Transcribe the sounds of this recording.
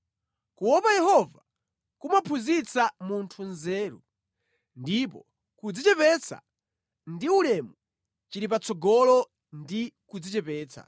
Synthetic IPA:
kuwɔpajɛhɔva | kumapʰuzit͡samuntʰunzɛːɾṵ | ndipɔ̰ | kud͡zit͡ʃɛpɛt͡sa̰ | ndiulɛmu | t͡ʃiɾip̬at͡sɔɡɔlɔ | ndikud͡zit͡ʃɛpɛːt͡sʰa̰

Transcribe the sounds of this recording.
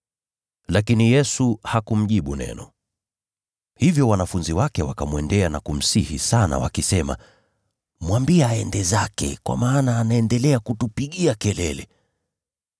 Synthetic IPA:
lakinijɛsuhakum̩ʄiɓunɛ̰nɔ | hivjɔwanafunziwakɛwakamwɛndɛanakum̩sihḭsana̰wa̰kisɛma̰ | mwambiaɛndɛzakɛ̰kwa̰maːnaːnaɛndɛlɛakutupiɠiakɛlɛlɛ

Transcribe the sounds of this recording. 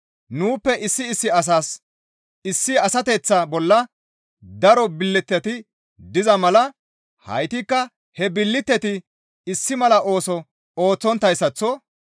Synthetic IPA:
nuːpːɛʔɪsːɪːsːɪɐs̬aːs | ɪsːɪɐsɐt̪ɛt͡sːɐbɔlːɐ | d̪ɐɾɔbɪlːɪt̪ːɛt̪ɪ | d̪ɪzɐmɐlɐ | hɐ̰jt̪ɪkːɐ | hɛbɪlːɪt̪ːɛt̪ɪ | ɪsːɪmɐlɐʔo̞ːsɔ | o̞ːt͡sːɔnt̪ːɐjsːɐt͡sːɔ

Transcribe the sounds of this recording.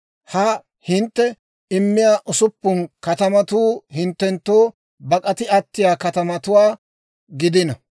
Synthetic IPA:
hɐ | hɪnt̪ːɛ | ɪmːɪjaːʔʊsʊpːʊnkɐt̪ɐmɐt̪uːhɪnt̪ːɛnt̪ːoː | bɐkʼɐt̪ɪɐt̪ːɪjaːkɐt̪ɐmɐt̪ʊwaː | ɡɪd̪ɪnɐ

